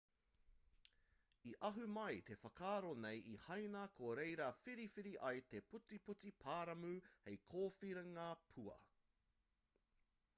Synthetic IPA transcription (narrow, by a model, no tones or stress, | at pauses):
iʔɐɦʉmɐjt̪e̞fɐkʰaːɾonejihɐjnɐkʰoɾejɾɐfiɾifiɾiʔɐjt̪e̞put͡siput͡sipʰaːɾɐmʉhejkʰoːfiɾɐŋaːpʰuɐ̰